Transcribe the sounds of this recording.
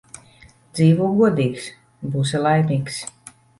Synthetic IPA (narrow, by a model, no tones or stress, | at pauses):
d̪ziːvuɡuɔd̪iːks | busɛlˠajmʲiːks